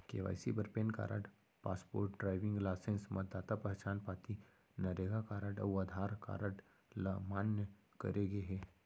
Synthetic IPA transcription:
keːʋa̰ːjsibəɾpeːnka̰ːɾʔa̰ʈ | paːspo̰ːɾʈːɖɾaːɪʋɪ̃ŋɡlaːsẽːnsmɐt̪̚d̪aːt̪apɐɦt͡ʃaːnpaːt̪i | nɐɾeɡakaːɾaʈɐ̰aːd̪ʱaːɾka̰ːɾəʈ | lamaːnjə | kɐ̰ɾeɡeɦɛ

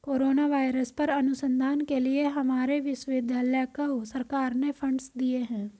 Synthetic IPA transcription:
koːɾoːnaːʋaːɪɾəspɐɾɐnʊsə̃nd̪ʱaːnkelɪeɦɐmaːɾeʋɪsʋɪd̪ʱalɛːkəusəɾkaːɾnepʰə̃ɳɖsd̪ieɦɛ̃ː

